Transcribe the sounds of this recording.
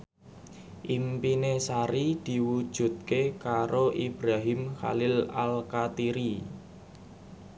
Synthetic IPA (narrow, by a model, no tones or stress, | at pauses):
ʔimpinesaɾid̪̥i̤wud̥ʒ̥ṳt̪̚kekaɾoʔibɾaɦimxa̰lɪla̰lkat̪iɾi